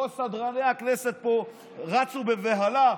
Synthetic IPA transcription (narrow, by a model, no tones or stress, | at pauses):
osad̪ʁaneaknɛset̪̚po | ʁat͡subeveɦala